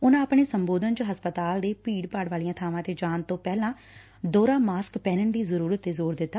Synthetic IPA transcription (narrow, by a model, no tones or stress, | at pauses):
ʊnãːəpɳeːsəmboːd̪ənt͡ʃəɦəspət̪aːld̪eːpiːɽpəɽʋaːlijãːt̪ʰaːʋãːt̪eːd͡ʒaːnt̪õːpɛːlãː | d̪oːɾãːmaːskpɛːnəɳd̪iːzəɾuːɾət̪ːeːzoːɾd̪ɪt̪ːaː